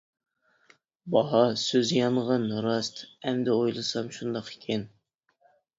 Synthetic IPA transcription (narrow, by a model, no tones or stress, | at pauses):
bɑɦɑsøzjɑɴʁɑnɾɑst̪ɛmd̪ɛojlˠɨsɑmʃund̪ɑqe̥kʲʰɛn